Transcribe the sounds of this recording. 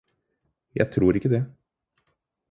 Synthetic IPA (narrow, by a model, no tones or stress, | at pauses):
jæ̰ɪt̪ʰɾuːɾɪkːəd̪ɛ